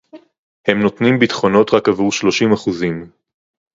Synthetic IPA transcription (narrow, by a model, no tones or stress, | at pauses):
he̞mnot̪nimbitχo̞no̞t̪ʁakavuʁʃlo̞ʃimaχuzim